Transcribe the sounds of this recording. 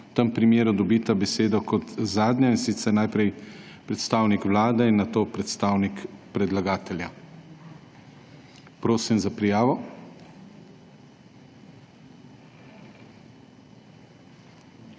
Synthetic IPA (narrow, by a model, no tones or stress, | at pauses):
wt̪əmpɾimjeːɾud̪ɔbit̪abɛseːd̪ɔkɔt̪zaːd̪ɲainsit̪sɛɾnajpɾɛj | pɾɛt̪st̪aːwnikʋlaːd̪ɛinːat̪oːpɾɛt̪st̪aːwnikpɾɛd̪laɡaːt̪ɛlja | pɾoːsimzapɾijaːʋɔ